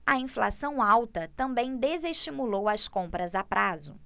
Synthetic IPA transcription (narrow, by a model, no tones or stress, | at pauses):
ɐĩfla̰sɐ̃w̃awt̪ɐt̪ɐ̃mbẽj̃d̪ezeʃt͡ʃimulowɐskõmpɾɐzapɾʔazʊ̰